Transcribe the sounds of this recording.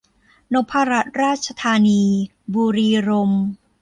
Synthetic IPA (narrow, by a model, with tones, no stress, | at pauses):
no˦˥pʰːaː˧ɾa˦˥t̪̚ɾaː˥˩t̪̚t͡ɕʰa˧t̪ʰaː˧niː˧ | buː˧ɾiː˧ɾo˧m